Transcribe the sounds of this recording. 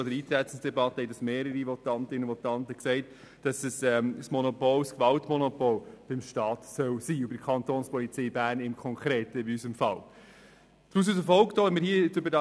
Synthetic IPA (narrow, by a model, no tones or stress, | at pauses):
ɔdəɾiːt̪ɾɛtt͡sɪŋsd̥ɛbɑtəhɛɪd̥ɑsmeːɾəɾiʋɔtɑntɪnəvɔtɑntəksɛɪt | d̥ɑsəsɛsmɔnɔpɔlskvɑltmɔnɔpɔlb̥ɪmʃtɑːtsœwsiːʊbədəkʰɑntoːnspɔlit͡sɛɪbæːɾnɪmkʰɔŋkʰɾeːtəɪbiysəmfɑl | tɾus̬usəfɔlkd̥ɔːɛmɪɾhiːt͡søbəɾdɑ